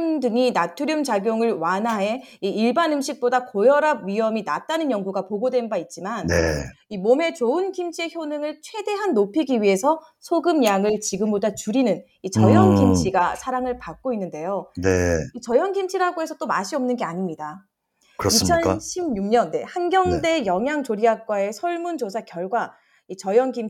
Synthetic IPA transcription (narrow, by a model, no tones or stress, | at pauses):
mdɯɲinatʰuɾjʌmt͡ɕaɡjoŋɯɭwanɦae̞ | iːɭbanɯmɕʰik̚p͈odakojʌɾaɥiʌmina̰t͈anɯnjʌŋɡuɡapoɡodwe̞nbait̚t͡ɕ͈imannḛ | imome̞t͡ɕoɯnkʰimt͡ɕʰieçjonɯŋɯɭt͡ɕʰwe̞de̞ɦanːopʰiɡiɥiɦe̞sʰʌ | sʰoɡɯmjaŋɯɭt͡ɕiɡɯmbodat͡ɕuɾinɯn | it͡ɕʌjʌŋkimt͡ɕʰiɡasʰaɾaŋɯɭpak̚k͈oinːɯnde̞joneit͡ɕʌjʌŋɡimt͡ɕʰiɾaɡoɦe̞sʰʌt͈omaɕʰiʌmnɯnɡe̞aɲimɲida | kit͡ɕʰʌnɕʰibɲuŋɲʌnːe̞hanɡjʌŋde̞jʌŋɦjaŋt͡ɕoɾiak̚k͈wae̞sʰʌɭmund͡ʑosʰakjʌɭɡwa | it͡ɕʌjʌŋɡim